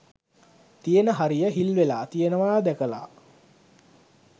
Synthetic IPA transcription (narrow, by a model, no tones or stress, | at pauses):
t̪ijənəɦaɾijəɦilʋelaːt̪ijənəʋaːd̪ækəla̰ː